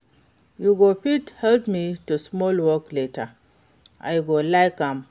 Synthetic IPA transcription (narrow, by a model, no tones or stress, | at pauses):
juɡopithɛldmitusmɔlwɔkletə | ʔa̰jɡolajkãm